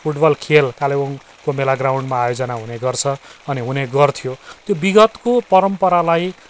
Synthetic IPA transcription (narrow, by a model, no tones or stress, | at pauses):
pʰuʈbʌlkʰelkaleon | komelaɡrawɳɖmaːjod͡zʌnaɦuneɡʌrt͡sʰʌʌniɦuneɡʌrt̪ʰijot̪jobiɡʌt̪kopʌɾʌmpʌɾalaj